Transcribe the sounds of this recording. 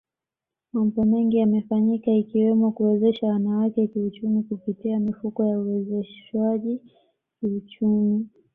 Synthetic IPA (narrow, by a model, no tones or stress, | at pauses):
mam̩bɔmɛŋɡiamɛfaɲikaikiwɛmɔkuwɛzɛʃawanawakɛkiut͡ʃumikupitiamifukɔjauwɛzɛʃwaʄi | kiut͡ʃumi